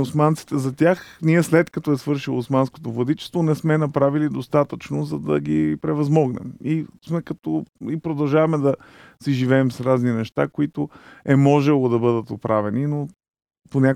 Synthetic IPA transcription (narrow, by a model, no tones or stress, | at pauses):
osmant̪si̥t̪ɛzɐt̪ʲjaxniɛslɛt̪kɐt̪ɔɛsvɤɾʃilˠoːsmansko̥t̪ovɐd̪it͡ʃɛ̥st̪vonɛsmɛnɐpɾavilid̪ost̪at̪ət͡ʃnozɐd̪ɐ̰ɡipɾɛvɐzmɔɡnɛ̰mismɛkɐt̪ɔipɾod̪ɐlˠʒavɐmɛd̪ɐ | siʒivɛːmsɾazninɛʃt̪a̰koit̪ʊɛmɔʒɛlˠod̪ɐbɤd̪ət̪opɾavɛnino | ponʲa